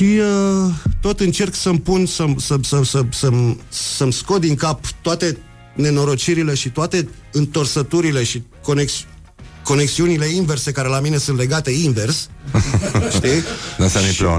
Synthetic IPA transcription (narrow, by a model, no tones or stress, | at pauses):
ʃiət̪o̞t̪ɨnt͡ʃe̞rksəmpunsəmsəsəsəsəmsəmsko̞d̪d̪iŋkapt̪oat̪e̞ | ne̞no̞ɾo̞t͡ʃiɾile̞ʃit̪oat̪e̞ | ɨnt̪ərsət̪uɾile̞ʃikoneks | ko̞ne̞ksiunile̞inve̞rse̞kaɾe̞lamine̞sunt̪le̞ɡat̪e̞inve̞rs | t̪inasmiplḛ